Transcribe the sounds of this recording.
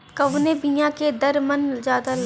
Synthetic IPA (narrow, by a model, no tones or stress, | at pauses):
kɐʋnebijãked̪ɐɾmənzaːd̪al